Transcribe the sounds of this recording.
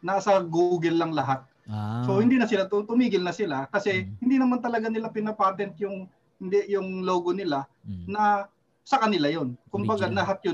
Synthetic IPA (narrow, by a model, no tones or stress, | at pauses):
nɐsɐɡuɡɪlːɐŋlɐɦat̪̚ | so̞hɪnd̪iːnɐsɪlat̪t̪ʊmiːɡɪlnɐsɪlakɐsɛhɪnd̪iːnɐmant̪ɐlɐɡanɪlapɪnɐpaːt̪ɛnt̪̚jʊŋ | hɪnd̪ɛjʊŋlo̞ːɡonɪlanɐ | sɐkɐnɪlajonkʊmbɐɡanɐɦat̪̚jʊ